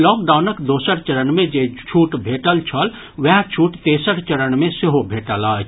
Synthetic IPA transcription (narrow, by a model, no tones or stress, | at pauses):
lɔːk̚ɖaːnəkd̪oːsəɾt͡ʃəɾənmẽd͡ʒet͡ʃʰuːʈbʱeːʈəlt͡ʃʰəl | ʋɛɦt͡ʃʰuːʈt̪eːsəɾt͡ʃəɾəɳmẽseɦobʱeːʈəlaːt͡ʃʰ